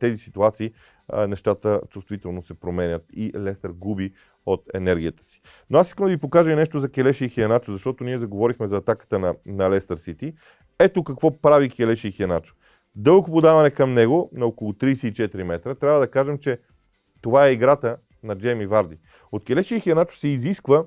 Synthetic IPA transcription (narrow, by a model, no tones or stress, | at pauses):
t̪ɛzisit̪uat̪sḭː | nɛʃt̪at̪ət͡ʃust̪vit̪ɛlˠnosɛpɾomɛnʲət̪ilɛst̪əɾɡubi | ot̪ɛ̰nɛɾɡʲiət̪ə̥si̥ | noasiskəmd̪ɐvipokaʒɐinɛʃt̪ozɐkʲɛlɛʃiːxiɐnat͡ʃozɐʃt̪ɔt̪oniɛzɐɡovɔɾixmɛzɐːt̪akə̥t̪ənɐnɐlɛst̪əɾsit̪i | ɛt̪okɐkvɔpɾavikʲɛlɛʃiːxiɐnat͡ʃo̥ | d̪ɤlˠkopod̪avɐnɛkɐmnɛɡonɐokolˠʊt̪ɾiːsɛit͡ʃɛt̪iɾimɛt̪ɾət̪ɾʲavəd̪ɐkaʒɛmt͡ʃɛ | t̪ovaɛiɡɾat̪ə | nɐd͡ʒɛmivaɾd̪i | ot̪̚kʲɛlɛʃiixiɐnat͡ʃo̥sɛiziskvə